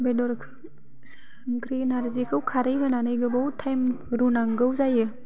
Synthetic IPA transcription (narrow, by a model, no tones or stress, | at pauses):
bedɔɾkʰ | ŋkɾinaɾzikʰɯwkʰaɾɯjɦɯnanɯjɡɯbawtʰajmɾunaŋɡəwzajɯ